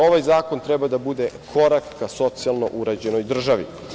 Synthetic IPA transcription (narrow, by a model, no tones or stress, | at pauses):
o̞ʋajzaːkont̪ɾɛbad̪abud̪ekʰo̞ɾakːaso̞t̪sialˠno̞̰ʔuɾad͡ʑe̞nojd̪r̩ʒaʋḭ